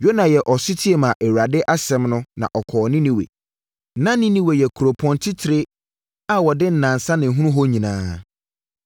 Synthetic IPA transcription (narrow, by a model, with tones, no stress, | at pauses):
jo˦nã˨jɛ˨ʔɔ˨sɪ˦tʰi˦e˨mã˨ʔɛ˨wa˨dɪ˦ʔa˦sɛ̃˨˦mnʊ̃˦nã̰˨ʔɔ˨kʰɔː˨nɪ̃˦nĩ˨wḛ˨ | nã˦nɪ̃˦nĩ˦we˨jɛ˨kʰu˨ɾo˨pʰɔ̃˦ntʰɪ˦tʰɪ˨ɾɪ˦ | a˦wɔ˨dɪ˦n̩˨nã˨nsa˦nɪ̃˨ɦũ˦ũ˦ɦɔ˦ɲĩ˨nãː˦